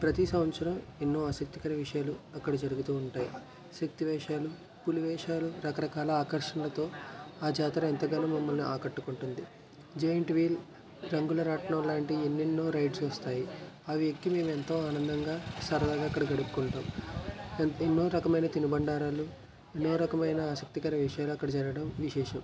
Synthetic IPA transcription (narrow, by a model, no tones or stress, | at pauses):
pɾɐt̪isɐmɐt̪sɐɾɐmenːo̞ːɐsɐk̚t̪i̥kɐnɐʋiʂɐjaːluɐkːɐɽɐd͡ʒɐɾuɡut̪uːɳʈaːji | sɐk̚t̪iʋɛːʂaːlu | puluʋɛːʂaːluɾɐkɐɾɐkaːlɐaːkɐɾʂɐnlɐt̪o̞ːaːd͡ʒaːt̪ɾɐent̪ɐɡɐnuːmɐmːɐlniʔaːkɐʈːukuɳʈund̪i | d͡ʒejɐɳʈʋiːl | ɾɐŋɡulɐɾaːʈɐɳɐmlaːɳʈienːinːo̞ːɾɐjɖsɐst̪aːji | ɐʋiekːime̞ːment̪o̞ːaːnɐnd̪ɐŋɡaːsɐɾɐlaːɡaːɐkːɐɽɐɡɐɽupu̥kuɳʈaːm | enːo̞ːɾɐkɐmɐjnɐt̪inubɐɳɖaːɾaːlu | enːo̞ːɾɐkɐmɐjnɐaːsɐk̚t̪ikɐɾɐʋiʂɐjaːluɐkːɐɽɐd͡ʒɐɾɐɐɽɐmʋiʃɛːʃɐm